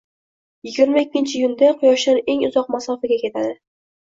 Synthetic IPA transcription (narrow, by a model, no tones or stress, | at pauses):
jɪɡʲɪɾmaekʲːɪnt͡ʃʰɪjʊnd̪aqʰʊjɒʃlaɾe̞ŋʊzɒq̚masɒfaɡʲakʲʰe̞t̪ʰad̪ɪ